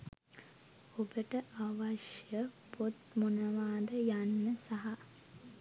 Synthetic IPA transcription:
obəʈəʔaʋaʃjəpot̪munəʋaːd̪əjanːəsaɦa

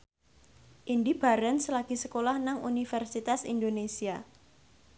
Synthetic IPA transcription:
ʔindib̥aɾɛnsəlaɡ̥isəkolahnaŋṵnifɛrsit̪asḭndonesia

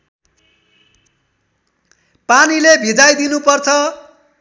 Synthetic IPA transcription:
panilebʱid͡zajd̪inupʌrt͡sʰʌ

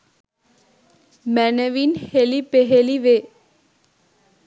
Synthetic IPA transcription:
mɛnəʋinhelipeɦeliʋe

